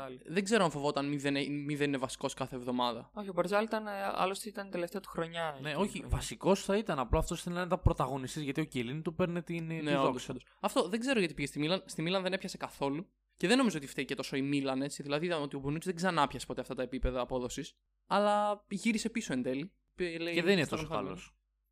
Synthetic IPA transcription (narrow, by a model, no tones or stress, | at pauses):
lðeɡze̞ɾoɐɱfo̞voot̪ɐnmiðenemiðe̞nine̞vɐsi̥ko̞skɐθevðo̞mɐðɐ̰oçiobɐɾzɐlit̪ɐneɐ̰lost̪it̪ɐnt̪eleft̪eɐt̪u̥xɾoɲɐneo̞çivɐsiko̞sθɐit̪ɐnɐploɐft̪o̞sθeninnet̪ɐpɾot̪ɐɣo̞nist̪izʝɐt̪io̞celint̪upe̞ɾnet̪inneookd̪ssd̪os | ɐft̪o̞ðe̞ɡze̞ɾoʝɐt̪ipiʝest̪imilɐnst̪imilɐnðene̞pçɐsekɐθo̞lu | ceðenomizoot̪ift̪eice̞t̪o̞so̞imilɐne̞t͡siðilɐðiot̪io̞bonut̪zðeɡzɐnɐpçɐse̥po̞t̪eɐft̪ɐt̪ɐepipe̞ðɐːpo̞ðo̞sis | ɐlɐiʝiɾise̞piso̞e̞nd̪e̞li | pleeðeninet̪osoɐ̰los